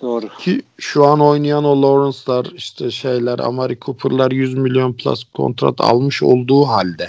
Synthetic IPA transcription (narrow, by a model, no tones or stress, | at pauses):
oɾcʰiʃuano̞jnajanolˠoɾunslaɾiʃt̪ʰɛʃejlʲæɾa̰maɾikʰupʰɾlˠaɾjyzmilʲijo̞npʰlˠa̰skʰo̞̰nt̪ʰɾa̰t̪ʰa̰lˠmɯʃo̞̰lˠd̪uːɦalʲd̪ɛ